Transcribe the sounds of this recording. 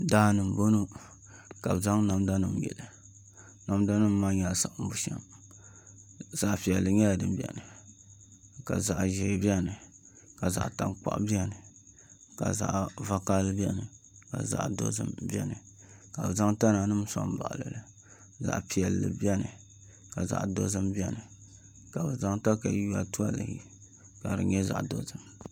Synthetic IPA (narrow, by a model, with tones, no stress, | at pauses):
daː˦nɨ˨m˨bo˦nu˦ | ka˨bɨ˨za˦ŋna˨mda˦nɨ˦mjɛ̰˨lɨ˨ | na˨mda˦nɨ˦mː˦aː˦ɲa˨sa˨ʔm̩˦bu˨ʃa̰˦m | z̥a˨ʔpi˨jɛ˨lːɨ˨ɲɛ˦ldɨ˨m˦bi˨ɛ̰˨nɨ˨ | ka˨za˨ʔʒɛ˨˦bi˦ɛ˦nɨ˨ | ka˨za̰˨ʔta˨nk͡pa̰˦ʔbi˦ɛ˨nɨ˨ | ka˨za̰˨ʔva˨ka˦lɨ˦bi˦ɛ˦nɨ˨ | ka̰˨za̰˨ʔdo̰˦zɨ̰˦mbi˦ɛ˦nɨ˨ | ka˨bɨ˨za˦ŋta˦na˨nɨ˦m˦sɔ̰˦m˦ba̰˨ʔlɨ˨lɨ˨ | za̰˨ʔpi˨ɛ˨lːɨ̰˨bi˦ɛ˦nɨ˨ | ka˨za̰˨ʔdo˦zɨ˦mbi˦ɛ˦nɨ˨ | ka˨bɨ˨za˦ŋta˦ka˨ju˦a˦tu˦a˦lɨ̰˨hḭ˦ | ka˨ɾɨ̰˨ɲɛ˦za̰˨ʔdo˦zɨ˦m